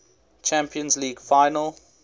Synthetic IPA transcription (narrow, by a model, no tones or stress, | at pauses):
t͡ʃʰæ̃mpʰiə̃nzliːɡfaɪnəlˠ